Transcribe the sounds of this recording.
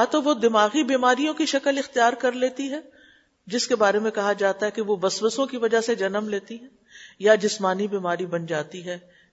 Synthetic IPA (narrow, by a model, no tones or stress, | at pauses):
jat̪oʋod̪ɪmaːɣibiːmaːɾijõkiʃɐkəlɪxt̪ijaːɾkɐɾleːt̪iɦɛː | d͡ʒɪskebaːɾemẽkɐɦad͡ʒaːt̪aɦɛkeʋobɐsʋəsõkiʋɐd͡ʒased͡ʒɐnəmleːt̪iɦɛ̃ː | jad͡ʒɪsmaːnibiːmaːɾibɐnd͡ʒaːt̪iɦɛː